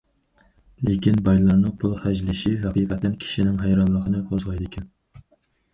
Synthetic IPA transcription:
lekʲinbɑjlˠɑɾnɨpʰulˠχæd͡ʒlɪʃiɦæqʰiqʰɛt̪ːɛnkʲʰi̥ʃinɪŋɦɑjɾɑnlˠəqʰənɨqʰozʁɑjd̪ɪkʲʰɛn

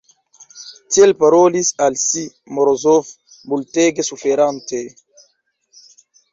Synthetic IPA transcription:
tielpaɾolisalsi | moɾozof | multeɡesufeɾante

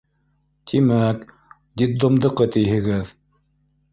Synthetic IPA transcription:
t̪ʰimæk | d̪it̪ːŏmd̪ɤ̆qɤt̪ɘ̆jɦɘ̆ɡɘð

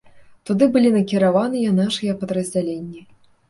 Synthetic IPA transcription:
t̪ud̪ɨbɨlʲinɐkʲiɾavanɨjɛnaʂɨjɐpɐd̪ɾɐzʲd͡zʲalʲenʲːi

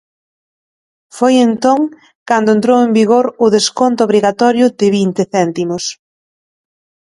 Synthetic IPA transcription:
fojent̪oŋ | kand̪oʊẽnt̪ɾowembiɣoɾʊðeskont̪ʊoβɾiɣat̪ɔɾjʊd̪ɪβint̪ɪθɛnt̪imʊs

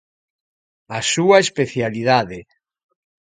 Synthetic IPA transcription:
asuaespeθjaliðaðe

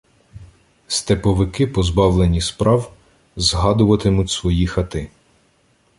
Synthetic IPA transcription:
st̪epɔʋɪkɪpɔzbɑwlˠenʲispɾʔɑw | zɦɑd̪ʊʋɐt̪ɪmʊtʲsʋɔjixɐt̪ɪ

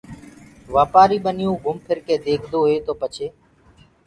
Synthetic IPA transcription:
ʋaːpaːɾiːɓənɪjũːɡʊmpʰɪɾkeːd̪eːkʰd̪oːɦeːt̪oːpət͡ʃʰeː

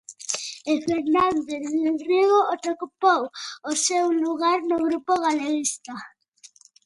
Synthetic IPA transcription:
efeɾnand̪eeriɣoʔot̪ɾokupowosewluɣaɾnʊɣɾupoɣaleɾist̪a

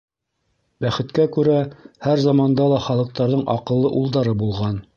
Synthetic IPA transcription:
bæχɘ̆t̪kækʉɾæhæɾzɑmɑnd̪ɑlˠɑχɑlˠɤ̆q̚t̪ɑɾðɤɴʔɑ̰qɤ̆lˠːɤʔulˠd̪ɑɾɤbulˠʁɑn

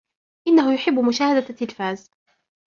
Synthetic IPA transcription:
ʔɪnːaɦʊjʊħɪbːʊmʊʃaːhad̪at̪ːɪlfaːz

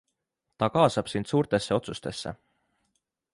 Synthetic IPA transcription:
t̪ɑkɑːsɑb̥sind̪̥suːɾt̪e̞sːe̞o̞t̪sust̪e̞sːe̞̰

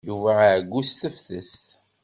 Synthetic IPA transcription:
juvæʕɡʷːustəfθəs

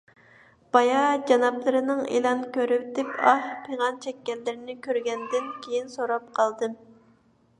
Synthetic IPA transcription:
b̥ɑjɑd͡ʒɑnɑplˠɨɾɨnɨŋḛlˠɑnkʲʰøɾyp̚d̪ɪpɑhpʰeŋɑnt͡ʃʰɛkʲːɛlːɪɾɪnɪkʲøɾɡʲɛnd̪ɪnkʲʰejinsoɾɑp̚qʰɑlˠd̪ɨm

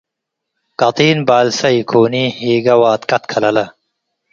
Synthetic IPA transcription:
kɐt̪iːnbaːlsɐikʰoːnihiːɡɐwaːt̪kɐt̪kʰɐlɐlɐ

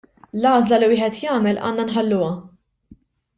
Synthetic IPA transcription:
lɐːzlɐliwɪːħɛt̪jɐːmɛlʔɐ̰ːnːɐnħɐlːʊwɐ

